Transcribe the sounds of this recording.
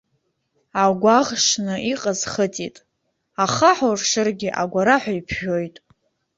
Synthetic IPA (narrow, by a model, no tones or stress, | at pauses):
aɡʷaʁʂnɨʔiqʼazχətʼitʼ | aχaħorʂɨrɡʲɪʔaɡʷaɾaħʷᶣaipʰʒᶣojtʼ